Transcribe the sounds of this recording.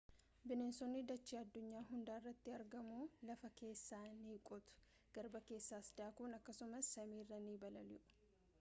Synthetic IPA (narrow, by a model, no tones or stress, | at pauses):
bɪneːnsɔnːɪd̪ɐt͡ʃːiːɐd̪ːʊɲːaːɦʊnd̪aːɪrːɐt̪ːɪɐɾɡɐmuːlɐfɐke̞ːsːaːniːkʼɔt̪ʊ̥ | ɡ̥ɐɾbɐke̞ːsːaːsd̪aːkunɐkːɐsʊmɐsːɐmiːrːɐniːbɐlɐlʊʔʊ̥